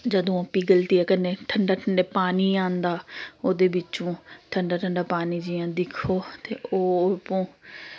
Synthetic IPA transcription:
d͡ʒəd̪õːəpiːɡəlt̪iːɛːkəneːʈʰəɳɖaːʈʰəɳɖeːpaːniːãːnd̪aːoːd̪eːbɪt͡ʃõːʈʰəɳɖaːʈʰəɳɖaːpaːniːd͡ʒiːãːd̪ɪkʰoːt̪eːʔoːpõː

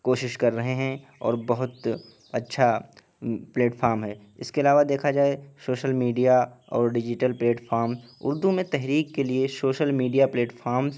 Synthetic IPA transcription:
koːʃɪʃkɐɾːɐɦeɦɛ̃ | ɔ̰ːɾbɐɦʊt̪ | ɐtːʃʰa | pleːʈfʰaːɾmɦɛː | ɪ̰skeɐlaːʋad̪eːkʰad͡ʒaːesoːʃəlmiːɖijaɔ̰ːɾɖɪd͡ʒɪʈəlpleːʈfaːɾmzʊ̰ɾd̪umẽt̪ɛɦɾiːkːeliesoːʃəlmiːɖijapleːʈfʰaːɾmz

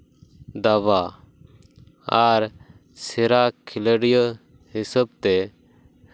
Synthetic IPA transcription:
d̪aβa | aɾ | sɛɾakʰiləɽjə | hisəb̚t̪ɛ

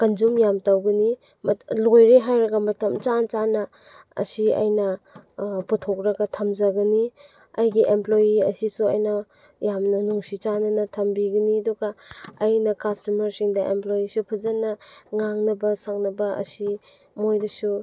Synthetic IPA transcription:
kɐnd͡ʒumjamtawɡɐni | mlojɾeɦajɾɐɡɐmɐtɐmt͡ʃant͡ʃanɐ | ɐ̰siɐ̰jnɐ | putʰok̚ɾɐɡɐtʰɐmd͡ʒɐɡɐni | ɐjɡiʔemplojiɐ̰sisuɐ̰jnɐ | jamnɐnuŋsit͡ʃanɐnɐtʰɐmbiɡɐniɐduɡɐɐjnɐkastɐmɐɾsiŋdɐʔemplojisupʰɐzɐnɐŋaŋnɐbɐsaŋnɐbɐɐ̰si | mojdɐsu

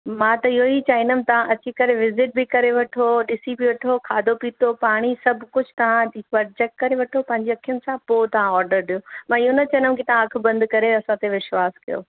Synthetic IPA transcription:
mãːt̪ɐɪɦoit͡ɕaːɪnəm̃t̪ɐʋ̤ãʔɐt͡ɕikɐɾeʋɪzɪʈ̚bɪkɐɾeʋɐʈʰoɗɪsibɪʋɐʈʰokʰaːd̪ʱopiːt̪ʰopaːɽ̃isɐbʱkʊd͡ʑʱt̪ɐʋãiʋɐɾd͡ʑɛk̚ʈkɐɾeʋɐʈʰopɐ̃ɦɪ̃ɲd͡ʑeɐkʰijʊnɪ̆sãpot̪ɐʋ̤ãɔːɾɖəɾɗiomãːɪɦonɐt͡ɕɐ̃ñkit̪ɐʋ̤ãɐk̆ʰbɐ̃nd̪kɐɾeɐsãt̪ʰeʋɪʃwaːskɐjo̰ː

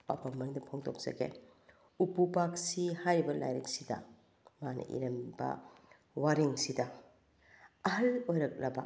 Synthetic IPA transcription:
ba̰pɐmːɐnidɐpʰoŋtok̚z̥ɐ̰ɡḛ | upupak̚sihajbɐla̰jɾek̚sidɐ̰ | manʔɐ̰ʔḭɾɐmbɐ̰ | waɾiŋsidɐ | ɐɦɐlojɾɐk̚lɐbɐ

